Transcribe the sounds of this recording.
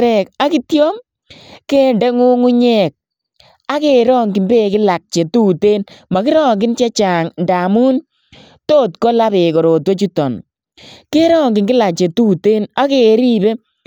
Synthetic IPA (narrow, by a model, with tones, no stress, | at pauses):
ɾɛ˨ka˦ki˦tjɔ˦m | ke˦ndɛ˦ŋu˦ŋu˦ɲɛ˦˨k̚ | a˦ke˨ɾɔː˦ŋɡɪ˨mbe˦kɪ˦la˨k̚t͡ʃe˨tuː˦te˦nma˨kɪ˦ɾɔ˦ŋɡɪ˦nt͡ʃe˦t͡ʃa˨ŋnda˨mu˦n | toː˦tkɔ˦la˦pe˨kɔ˨ɾo˨two˦t͡ʃu˦tɔ˨n | ke˦ɾɔ˦ŋɡɪ˨ŋkɪ˦la˨k̚t͡ʃe˨tu˦te˦na˦ke˨ɾi˦be˦